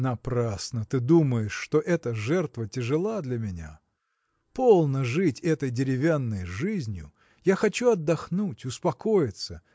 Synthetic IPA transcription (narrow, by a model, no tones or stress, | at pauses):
nɐpɾasnət̪ɨd̪uməjɪʂːt̪oʔɛt̪əʐɛrt̪vətʲɪʐɨlˠad̪lʲɐmʲɪnʲa̰ | po̞lˠnəʐɨtʲɛt̪əjdʲɪɾʲɪvʲanːəjʐɨzʲnʲjʊ̰ | jaxɐt͡ɕuɐd̪ːɐxnutʲʊspɐkojɪt̪sə